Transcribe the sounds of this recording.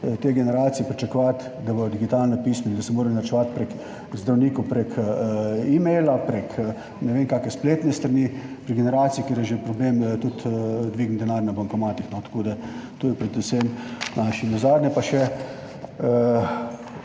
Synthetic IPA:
t̪eɡɛnɛɾaːsijɛpɾit͡ʃakoʋat̪ | d̪abɔjd̪iɡit̪aːlnapiːsmɛnid̪ɐsɛmoːɾanaɾt͡ʃɛʋat̪pɾɛk | zd̪ɾawniːkɔpɾɛkʰ | imɛjlapɾɛk | nɛʋeːŋkaːkɛspleːt̪nɛst̪ɾɐnipɾiɡɛnɛɾaːt̪siikeːɾjɛʒepɾɔbleːmt̪ut̪d̪ʋiːɡnd̪ɛnaːɾʲjnabaŋkɐmaːt̪ixnɔt̪ɐ̥koːd̪at̪oːjɛpɾɛd̪ʊsemnʔaʃinazaːd̪nʲɛpaʃɛ

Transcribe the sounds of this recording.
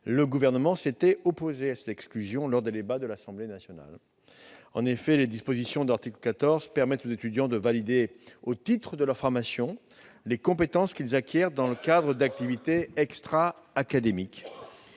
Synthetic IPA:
ləɡuvɛʁnəmɑ̃set̪ɛɔpozeasɛt̪ɛksklyzjɔ̃lɔʁd̪ed̪ebad̪əlasɑ̃blenasjɔna̰l | ɑ̰̃nefɛled̪ispozisjɔ̃d̪əaʁt̪ikləkat̪ɔʁzpɛʁmɛt̪ozet̪yd̪jɑ̃d̪əvalid̪eot̪it̪χəd̪əlœʁfɔʁmasjɔ̃ | lekɔ̃pet̪ɑ̃skʲilzakʲjɛʁd̪ɑ̃ləkad̪ʁəd̪ak̚t̪ivit̪eɛkst̪χaː | kad̪emik

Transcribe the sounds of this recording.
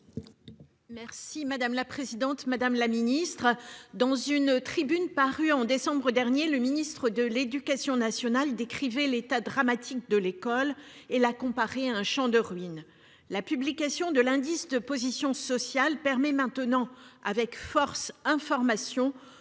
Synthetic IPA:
mɛʁsimad̪amlapχezid̪ɑ̃t̪mad̪amlaminist̪χd̪ɑ̃zynt̪χibynpaʁyɑ̃d̪esɑ̃bʁəd̪ɛʁnjeləminist̪χəd̪əled̪ykasjɔ̃nasjɔnald̪ekχivɛlet̪ad̪ʁamat̪ʰik̚d̪əlekɔlelakɔ̃paʁeaɛ̃ʃɑ̃d̪əʁɥin | lapyblikasjɔ̃d̪əlɛ̃d̪isd̪əpozisjɔ̃sɔsjalpɛʁmɛmɛ̃t̪ənɑ̃a̰vɛkfɔʁsɛ̃fɔʁmasjɔ̃

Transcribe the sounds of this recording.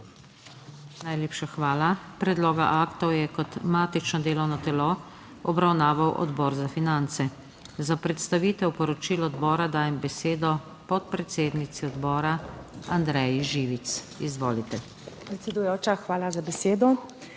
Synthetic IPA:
najleːpʃaxʋaːlapɾɛd̪loːɡa̰ʔaːkt̪ɔwjɛkɔt̪maːt̪it͡ʃnɔd̪eːlɔwnɔt̪ɛlo | ɔbɾawnaːʋawʔɔ̰d̪bɔːɾzafinant̪sɛ | zapɾɛt̪st̪aʋiːt̪ɛwpɔɾɔt͡ʃiːlɔːd̪bɔːɾad̪aːjɛmbɛseːd̪ɔ | pɔt̪̚pɾɛt̪seːd̪nit̪siɔd̪bɔːɾaand̪ɾɛjiʒiːʋit̪s | izʋoːlit̪ɛ | pɾɛt̪sɛd̪ujoːt͡ʃaxʋaːlazabɛseːd̪ɔ

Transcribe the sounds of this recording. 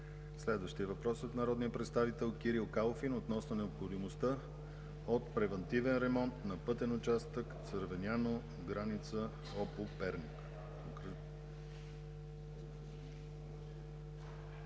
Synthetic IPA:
slɛd̪vəʃt̪iɛvɐpɾɔsot̪nɐɾɔd̪nijəpɾɛt̪st̪avit̪ɛlˠkiɾilˠkalˠofinot̪nɔsnonɛopxod̪imost̪ə | ot̪pɾɛvɛnt̪ivɛnɾɛmɔnt̪nɐpɤt̪ɛnʊt͡ʃast̪əkt̪səɾvɛnʲano | ɡɾanit̪sə | ɔpopɛɾnʲik | k

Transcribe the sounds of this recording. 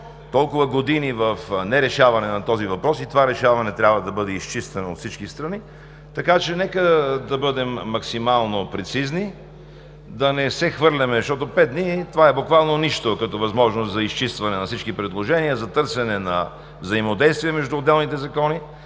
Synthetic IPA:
t̪ɔlˠkʊvəɡod̪inivəfnɛɾɛʃavɐnɛnɐt̪ɔzivɐpɾɔsit̪ovaɾɛʃavɐnɛt̪ɾʲabvəd̪ɐbɤd̪ɛist͡ʃist̪vɛnoːt̪fsit͡ʃkist̪ɾɐni | t̪ɐkat͡ʃɛnɛkəd̪ɐbɤd̪ɛmːɐksimalˠnopɾɛt̪sizni | d̪ɐnɛsɛxvɤɾlʲɐmɛʃt̪ɔt̪opɛd̪nit̪ovaɛbʊkvalˠnoniʃt̪okɐt̪ɔvɐzmɔʒnost̪zɐist͡ʃist̪vɐnɛnɐfsit͡ʃkipɾɛd̪lˠoʒɛniəzɐt̪ɤɾsɛnɛnɐ̰ | vzɐimod̪ɛjst̪viɛmɛʒd̪uod̪ːɛlˠnit̪ɛzɐkɔni

